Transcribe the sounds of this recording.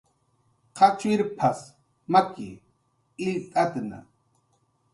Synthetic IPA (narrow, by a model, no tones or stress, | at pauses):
qʰat͡ʃwiɾpʰas | makḭ | iːt̪ʼat̪na̰